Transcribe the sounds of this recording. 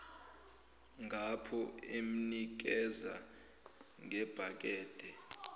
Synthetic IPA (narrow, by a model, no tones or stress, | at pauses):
ŋʱapʰɔem̩nik̬ɛza | ŋʱɛb̥ʱak̬ʼɛːd̥ʱɛ